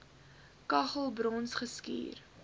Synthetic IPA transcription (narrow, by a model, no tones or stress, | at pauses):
kɐχəlˠbrɔnsχəskḭːr